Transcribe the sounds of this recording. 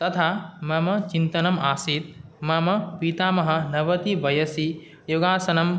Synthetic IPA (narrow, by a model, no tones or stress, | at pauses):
t̪ɐt̪ʰaːmɐmɐt͡ʃint̪ɐnɐmaːsit̪̚mɐmɐpit̪aːmɐɦɐ̆nɐʋɐt̪iʋɐjɐsi | juɡaːsɐnɐm